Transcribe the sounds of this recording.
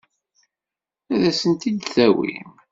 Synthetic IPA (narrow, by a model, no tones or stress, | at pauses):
æðæsənt̪id̪θæwḭm